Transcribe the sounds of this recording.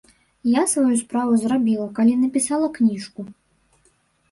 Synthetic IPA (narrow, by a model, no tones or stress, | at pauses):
jasvajuspɾavuzɾabʲilˠɐkalʲinɐpʲisalˠɐknʲiʂku